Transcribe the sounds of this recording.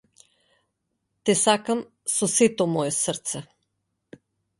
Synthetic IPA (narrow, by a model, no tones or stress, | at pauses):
t̪ɛsakam | sɔsɛt̪omɔjɛsəɾt̪sɛ